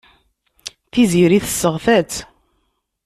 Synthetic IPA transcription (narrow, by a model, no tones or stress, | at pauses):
θiziɾiθəsːəʁθæt͡sː